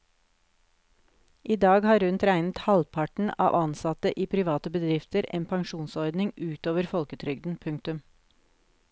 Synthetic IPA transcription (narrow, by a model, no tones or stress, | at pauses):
ʔiːd̪ɑːɡhɑːɾʉnt̪ɾæɪnət̪hɑlpʰɑʈɳ̩ɑ̰ːʋʔɑnsɑt̪əʔiːpʰɾɪʋɑːt̪əbəd̪ɾɪft̪əɾḛːnpʰɑŋʃuːnsɔɾd̪nɪŋʉːt̪oːʋəɾfɔlkət̪ʰɾʏɡd̪n̩pʰʉŋk̚t̪ʉm